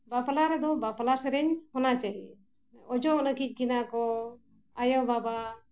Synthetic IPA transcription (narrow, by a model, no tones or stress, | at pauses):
baplaɾɛd̪ɔbapalasɛɾɛɲhɔnat͡ʃaɦḭ | ɔd͡ʒɔʔnəkic̚ˀɡinakɔ | ajɔbaba